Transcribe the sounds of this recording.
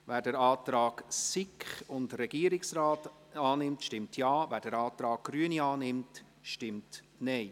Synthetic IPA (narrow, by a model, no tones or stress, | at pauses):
væːɾdəɾɑːt̪ɾɑːɡ̥sɪkχʊndɾɛɡ̥iːəɾɪksraːt | ɑːnɪmtʃtɪmtʰjɑːvæːɾd̥əɾɑːt̪ɾɑːk̚ɡ̥ɾyːəniɑːnɪmt | ʃtɪmt | nɛɪ